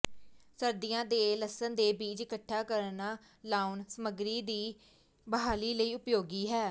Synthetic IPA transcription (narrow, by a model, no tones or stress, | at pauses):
səɾd̪ijãːd̪eːləsənd̪eːbiːd͡ʒɪkəʈʰːaːkəɾnaː | laːunsəməɡɾiːd̪iː | bəɦaːliːləiːʊpjoːɡiːɦɛː